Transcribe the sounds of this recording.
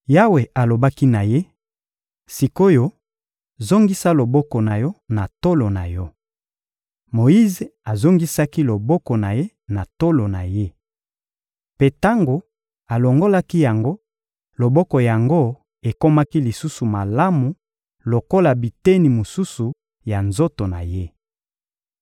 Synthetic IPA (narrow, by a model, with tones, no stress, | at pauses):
ja˦we˨a˨lo˨ba˦ki˦na˨je˦ | si˨ko˦jo˦ | zo˦ŋɡi˦sa˦lo˨bɔ˦kɔ˨na˨jɔ˦na˨to˦lo˨na˨jɔ˦ | mo˨i˦ze˨a˨zo˦ŋɡi˦sa˦ki˦lo˨bɔ˦kɔ˨na˨je˦ | na˨to˦lo˨na˨je˦ | pe˦ta˦ŋɡo˨ | a˨lo˨ŋɡo˦la˦ki˦ja˨ŋɡo˦ | lo˨bɔ˦kɔ˨ja˨ŋɡo˦ | e˨ko˦ma˦ki˦li˨su˦su˨ma˨la˦mu˨ | lo˨ko˦la˨bi˨te˦ni˨mo˨su˦su˨ | ja˨nzo˦to˨na̰˨je˦